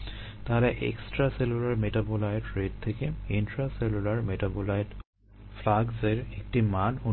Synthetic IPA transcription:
t̪aɦalɛʔḛksʈɹaselulaɹmeʈabolajdɹet̚t̪ʰːekeinʈɹaselulaɹmeʈabolajd | flaɡzeɹek̚ʈimanu

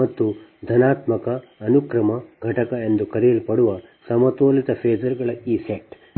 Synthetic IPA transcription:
ɐt̪ːud̪ʱɐnaːt̪mɐkɐːnukɾɐmɐɡʱɐʈɐkɐe̞nd̪ukɐɾɛjɐlipɐɽuʋɐsɐmɐt̪oːlit̪ɐpʰeːd͡ʒɐɾɡɐɭɐiːseʈ

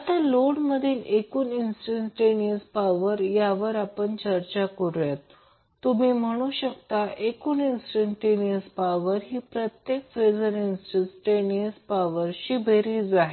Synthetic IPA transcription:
at̪aloɽməd̪ʱiːlekuːninsʈənsʈeniəspaʋəɾjaʋəɾapəɳt͡ɕəɾt͡ɕakəɾujat̪ː | umiːm̤əɽ̃uɕəkt̪aʔekuːninsʈəɳʈeniəspaʋəɾɦiːpɾət̪jekfed͡zəninsʈəsʈeniəspaʋəɾɕibʱeɾiːd͡zaɦe

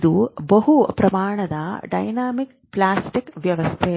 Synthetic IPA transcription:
d̪ubɐɦupɾɐmaːɳɐd̪ɐɖɐ̰jnaːmik | plaːsʈikʋjɐʋɐst̪ʰe

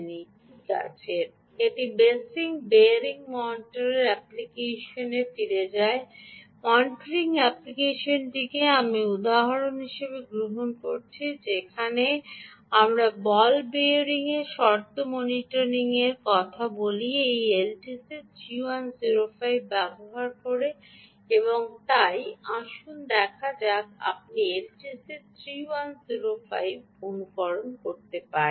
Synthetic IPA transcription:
ni | ka̰t͡ɕʰeɾ | eʈibesiŋbeɾiŋmɔnʈoɾeɾɛplikeʃonefiɾed͡ʑae | mɔnʈoɾiŋɛplikeʃonʈikeamiud̪aɦaɾonɦiʃebeɡɾoɦonko̰ɾt͡ɕʰid͡ʑekʰane | amɾabɔlbeɾiŋeʃɔɾt̪omoniʈoɾiŋeɾkɔt̪ʰaboliejelʈiset̪ʰɾiwanziɾofajbːɛboɦaɾkoɾe | eβoŋt̪ajaʃund̪ɛkʰad͡ʑak̚a̰p̚nielʈiset̪ʰɾiwanziɾofa̰jb | onukɔɾonkoɾt̪epaɾ

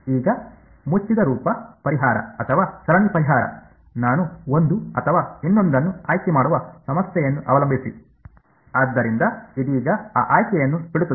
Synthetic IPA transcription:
iːɡɐ | mut͡ʃːid̪ɐɾuːpɐpɐɾiɦaːɾɐ̰ɐt̪ʰɐʋaːsɐɾɐɳipɐɾiɦaːɾɐ̰ | naːnuo̞nd̪uɐt̪ʰɐʋaːinːo̞nd̪ɐnːuaːjkɛmaːɽuʋɐsɐmɐsjɛjɐnːuʔɐʋɐlɐmbʱisḭ | aːd̪ːɐɾind̪ɐid̪iːɡɐa̰ːʔaːjkɛjɐnːubiɽut̪ːu

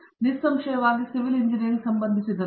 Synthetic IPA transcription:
nisːɐmʃɐjɐʋaːɡisiʋiliɲd͡ʒiniɾsɐmbɐnd̪ʱisid̪ɐ

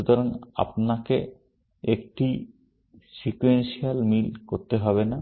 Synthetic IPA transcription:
ut̪ɔɾana̰pnake | ekʈi | sikuenʃialmilkoɾt̪eɦɔbena

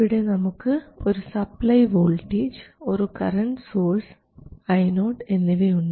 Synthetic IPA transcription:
ɪɽenɐmukːɯɔɾɯsɐplɐjʋoːlʈiːd͡ʒɔɾɯkɐɾɐɳʈsoːɾs | ɐɪnoːʈenːiʋeːʊɳːɐ

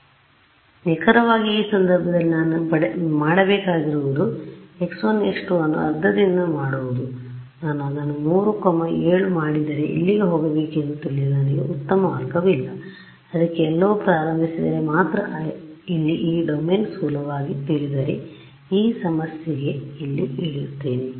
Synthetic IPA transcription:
nɛkʰɐɾɐʋaːɡiiːsɐnd̪ɐɾbʱɐd̪ɐlːinanupɐmaːɽɐbɛːkaːɡiɾuʋud̪ueksonːeʂʈuɐnːṵɐɾd̪ʱːɐd̪ind̪ɐmaːɽuʋud̪u | naːnuɐd̪ɐnːumuːɾukɐmɐeːɭumaːɽid̪ɐɾe̞̰ʔḭlːiɡeɦoːɡɐʋeːkend̪ut̪iɭːiɐniɡḛut̪ːɐmɐʋaːkɐʋilːɐ | ɐd̪ɐkːeɛlːɐʋupɾaːɾɐmbʱisid̪ɐɾe̞maːt̪ɾɐʔilːiʔiːɖomeːnsuːlɐʋaːɡit̪iɭid̪ɐɾe̞̰ | iːsɐmɐsjeɡe̞ilːiiɭjut̪ːe̞ːne

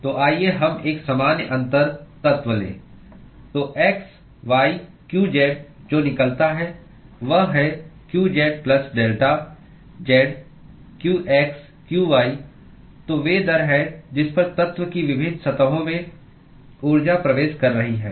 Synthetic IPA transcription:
t̪oːʔaːieɦɐmeːksɐmaːnjəʔɐ̃nt̪əɾt̪ɐt̪ʋəlḛː | t̪oːʔɛːks | ʋaːi | kjuːd͡ʒeːɖ̚d͡ʒoːnɪkəlt̪aɦɛ | ʋɐɦɦɛkjuːd͡ʒeːɖ̚plɐsɖeːlʈa | d͡ʒɛːɖ | kjuːʔɛːks | kjuːʋaːi | t̪oʋeːd̪ɐɾɦɛd͡ʒɪspɐɾt̪ɐt̪ʋəkiʋɪbʱɪnsɐt̪əɦõmẽ | uːɾd͡ʒapɾɐʋeːʃkɐɾːɐɦiɦɛ̰ː

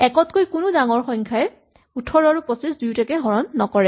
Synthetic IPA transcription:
ɛkɔtkojkʊnʊdaŋɔɹxɔŋkʰaɛ | utʰɔɹaɹupɔsisdujtɛkɛɦɔɹɔnːɔkɔɹɛ

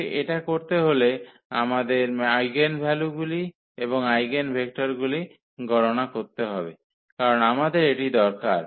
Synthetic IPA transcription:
ʔeʈakoɾt̪eɦole | a̰mad̪eɾajɡenbʱɛluɡuli | eboŋajɡenbʱek̚ʈaɾɡuli | ɡʱɔɾonakoɾt̪eɦɔbe | kaɾonamad̪eɾeʈid̪ɔɾkaɾ

